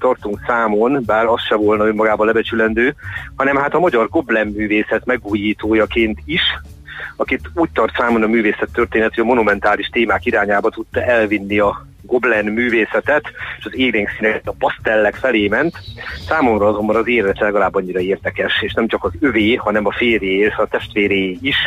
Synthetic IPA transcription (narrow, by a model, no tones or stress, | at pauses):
t̪ɒrt̪uŋksaːmonbaːɾɒsʃɛvo̞lnɒømːɒɡaːbɒlɛbɛt͡ʃylɛnd̪øːhɒnɛmhaːt̪ɒmɒɟɒrɡo̞blɛnːyːveːsɛt̪mɛɡuːjiːt̪oːjɒkeːnt̪iʃ | ɒkit̪uːc̚t̪ɒrt̪saːmo̞nɒmyːveːsɛt̪ːørt̪eːnɛt̪yɒmo̞numɛnt̪aːliʃt̪eːmaːkiɾaːɲaːbɒt̪ut̪ːɒʔɛlvinːiɒ | ɡo̞blɛnmyːveːsɛt̪ɛt̪eːʃɒzeːɡɾeːŋksinɛɛt̪ːɒpɒst̪ɛlːɛkfɛleːmɛnt̪saːmo̞mrɒɒzo̞mbɒnɒzeːrd̪ɛt͡ʃ̪ɛlɛɡɒlaːbːɒɲːiɾɒeːrd̪ɛkɛʃeːʃnɛmt͡ʃɒkɒzøveːhɒnɛmɒfeːrjeːlt̪ʋɛɒt̪ɛʃt̪ʋeːɾeːiʃ